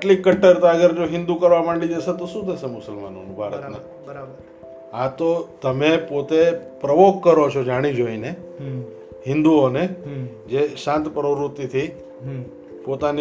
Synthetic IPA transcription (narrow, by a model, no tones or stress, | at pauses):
ʈlikəʈːəɾt̪aəɡəɾd͡ʒoɦɪ̃nd̪ukəɾʋamãɳɖid͡ʒəset̪oʃũt̪əsemʊsəlma̰no̰nũbʱaɾə̰t̪na | ɾə | at̪ot̪əmepot̪epɾəʋokkːəɾot͡ʃʰod͡ʒaɽ̃id͡ʒoine | hɪ̃nd̪uoned͡ʒeʃãnt̪pɾəʋɾut̪ːit̪ʰi | pot̪ani